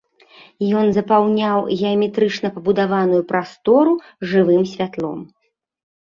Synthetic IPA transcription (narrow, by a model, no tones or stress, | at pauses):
jɔnzɐpawnʲawɣʲɛɐmʲɛt̪ɾɨt͡ʂn̪ɐpɐbud̪avanujupɾast̪ɔɾu | ʐɨvɨmsʲvʲat̪lˠɔ̰m